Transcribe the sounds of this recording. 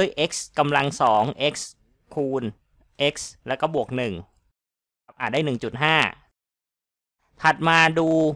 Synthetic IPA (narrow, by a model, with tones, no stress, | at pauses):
əjʔe˦˥k̚ska˧mla˧ŋsɔː˩˦ŋʔe˦˥k̚s | kʰuː˧n | ʔe˦˥k̚slɛː˦˥wkɔː˥˩bu˨˩ək̚nɯ˨˩ŋ˦˥ | p̚ʔaː˨˩daː˥˩jnɯ˨˩ŋt͡ɕu˨˩t̪̚ɦaː˥˩ | t̪ʰa˨˩t̪̚maː˧duː˧